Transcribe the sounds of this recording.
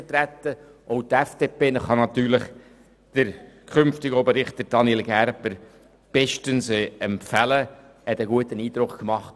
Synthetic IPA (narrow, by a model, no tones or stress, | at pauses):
ət̪ɾæt̪ːə | ʔoʊt̪ɛfd̥eːpeːnəχɑnɑt̪yːɾlɪχ | d̥əɾkʰχʏnftɪɡobəɾɪχtt̪əɾd̥ɑnelɡæɾpəɾ | b̥ɛʃtənsɛɛmpfælə | hɛt̪əɡuətəniːd̪ɾʊkkmɑχt